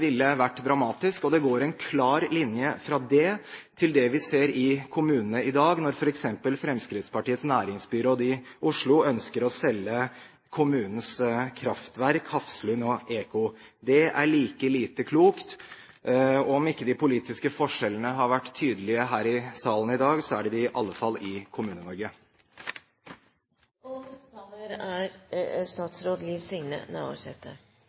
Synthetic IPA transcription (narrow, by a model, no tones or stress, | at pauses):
ʋɪlːəʋæʈːd̪ɾɑmɑːt̪ɪskɔd̪ɛɡoːɾɛnkʰlɑːɾlɪnjəfɾɑd̪ɛt̪ʰɪld̪ɛʋɪseːɾɪkʰʊmʉːnənəɪd̪ɑːɡnɔɾfɔɾɛksɛmpəlfɾɛmskɾɪt̪spʰɑʈiːət̪snæːɾɪŋsbyːɾəɔd̪ɪʔʊʂɭʊœnskəɾɔsɛlːə | kʰʊmʉːnən̩skʰɾɑft̪ʋæɾkhɑfslʉnɔʔeːkʊd̪ɛʔæ̰ɭiːkəliːt̪əkʰluːkt̪ | ɔɔmɪkːəd̪ɪpʰʊliːt̪ɪskəfɔʂɛlənəɦɑɾʋæʈːt̪ʰːyːd̪əlɪəɦæːɾɪsɑːlən̩ɪd̪ɑːɡsɔæɖɛd̪ɪʔɑlːəfɑlːɪkʰʊmʉːnənɔɾɡə | t̪ɑləɾæɾst̪ɑːt̪sɾoːd̪liːʋsɪŋnə̰næ̰ːo̰ɾsɛ̰t̪ːə̰